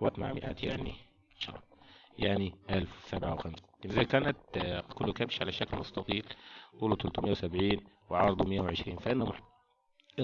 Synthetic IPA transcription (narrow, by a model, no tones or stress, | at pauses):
wa̰t̪ma̰ʕmɪʔa̰ːt̪jaʕnḭ | ʃɑ̰jaʕniʔalfwsabʕawxams | zakaːnat̪kʊlːukabʃʕalaʃaklmʊst̪ɑt̪ˤiːlt̪ˤuːlut̪ʊlt̪umɪjːawsabʕiːnwɪʕɑɾˤd̪ˤumɪjːawʕɪʃɾiːnfaʔɪnːmʊ